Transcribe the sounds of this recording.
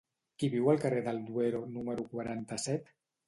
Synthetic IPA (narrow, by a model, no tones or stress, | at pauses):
kiβiwəlˠkəreðəlˠd̪ueɾonuməɾukwaɾant̪əsɛt̪